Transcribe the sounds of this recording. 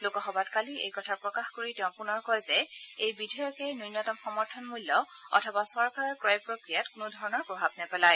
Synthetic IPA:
lokɔxɔbatkaliḛjkɔtʰaɹpɹɔkaxkoɹitɛ̃ʊ̃pʊnɔɹkɔjzɛejbidʱɔjɔkɛnujnɔtɔmxɔmɔɹtʰɔnmulːɔ | ɔ̰tʰɔbasɔɹkaɹɔɹkɹɔjpɹokɹijatkʊnʊdʱɔɹɔnɔɹpɹɔbʱabnɛpɛlaj

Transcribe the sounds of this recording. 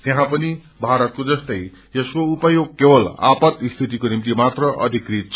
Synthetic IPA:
t̪jeɦãpʌni | bʱaɾʌt̪̚kod͡zʌst̪ʌj | jeskoupʌjoɡ̚kebʌla̰pʌt̪ist̪ʰit̪ikonimt̪imat̪rʌʔʌ̰d̪ʱikrit̪̚t͡sʰ

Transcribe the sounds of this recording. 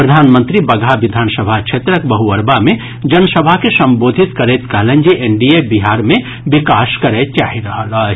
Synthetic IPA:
pɾɐd̪ʱaːnmə̃nt̪ɾibɐɡʱaʋɪd̪ʱaːnsəbʱakʃʰet̪ɾəkbɐɦuəɾbamẽ | d͡ʒɐnsəbʱakesɐ̃mboːd̪ʱit̪kɐɾeːt̪kɐlə̃nd͡ʒeʔenɖiebiɦaːɾmẽ | bɪkaːskɐɾet̪̚t͡ʃaːɦiɾɐɦəla

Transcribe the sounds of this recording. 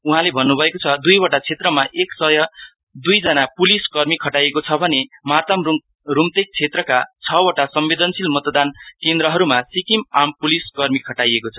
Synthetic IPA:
uɦãlebʱʌnːubʱʌekot͡sʰʌd̪ujwʌʈat͡sʰet̪rʌmaʔeksʌjʌ | d̪ujd͡zʌnapuliskʌrmikʰʌʈajekot͡sʰʌbʱʌnemat̪ʌmru | rumt̪ek̚t͡sʰet̪rʌkat͡sʰʌwʌʈasʌmbed̪ʌnsilmʌt̪ʌd̪ankend̪ɾʌɦʌɾumasikimampuliskʌrmikʰʌʈajekot͡sʰʌ̥

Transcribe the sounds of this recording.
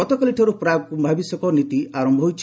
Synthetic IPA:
ɔt̪ɔkɔliʈʰɔɾupɾaɡkubʱabisɔkɔnit̪iaɾɔmbʱɔɦojt͡ʃʰ

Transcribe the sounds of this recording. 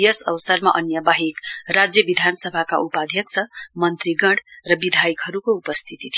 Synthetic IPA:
jʌsʌ̰wsʌrmaʔʌnjʌbaɦikrad͡zjʌbid̪ʱansʌbʱakaʔupad̪ʱjʌksʰʌmʌnt̪ɾiɡʌɽrʌbid̪ʱajkɦʌɾukoupʌst̪ʰit̪it̪ʰi

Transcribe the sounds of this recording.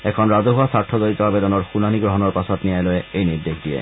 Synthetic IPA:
ɛkʰɔnɹazɔɦuasaɹtʰːɔzoɹit̪ɔabedɔnɔɹxunaniɡɹɔɦɔnɔɹpasɔtnijajlɔjɛejniɹdexʰdijɛ̰

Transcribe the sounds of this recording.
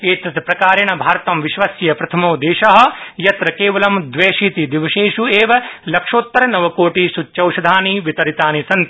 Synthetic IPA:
eːt̪ɐt̪ɐpɾɐkaːɾɐɳ̃ɐbʱaːɾt̪ɐmʋiʃʋɐsjɐjɐpɾɐt̪ʰɐmoːd̪eːʃɐɦɐ̆jɐt̪ɾɐkeːʋɐlɐmd̪ʋeːʃiːt̪id̪iʋɐʃeːʃueːʋɐlɐkʂoːt̪ːɐɾɐnɐʋɐkoːʈiːsutːt͡ʃɐwʃɐd̪ʱaːniʋit̪ɐɾit̪aːnisɐnt̪

